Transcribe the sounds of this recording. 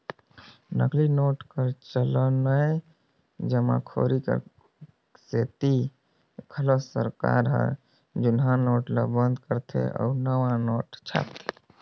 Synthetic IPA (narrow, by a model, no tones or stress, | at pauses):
nəklinoʈkəɾt͡ʃələnəj | d͡ʒəmã̰kʰo̰ɾikə̰ɾ | set̪i | kʰələsəɾka̰ɾɦə̰ | d͡ʒunɦãnoʈlə̰bənd̪kəɾt̪ʰḛʔɔ̰unəʋãnoʈt͡ʃʰa̰pt̪ʰe̥